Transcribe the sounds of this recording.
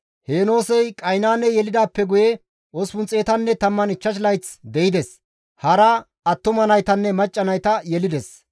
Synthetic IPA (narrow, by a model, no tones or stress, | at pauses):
he̞ːno̞ːsɛjkʼɐjnaːnːɛjɛlɪd̪aːpːɛɡʊjɛ | ʔospʊnt͡sʼe̞ːt̪ɐnːɛt̪ɐmːɐnɪt͡ʃːɐʃ̬lɐjt͡sd̪ɛɪd̪ɛs | hɐɾɐ | ɐt̪ːʊmɐnɐjt̪ɐnːɛmɐt͡ʃʼːɐnɐjt̪ɐjɛlɪd̪ɛs